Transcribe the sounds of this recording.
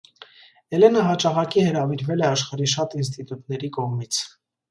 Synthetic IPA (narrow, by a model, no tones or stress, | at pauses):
ɛlɛnəɦɑt͡ʃɑʁɑkihəɾɑviɾvɛlɛɑʃχɑɾiʃ̬ɑt̪ins̬t̪it̪ut̪nɛɾikɔʁmit͡sʰ